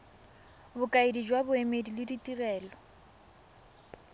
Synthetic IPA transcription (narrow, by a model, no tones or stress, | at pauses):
bʊkʼaedid͡ʒwabʊemedilɪditʼirɛːlɔ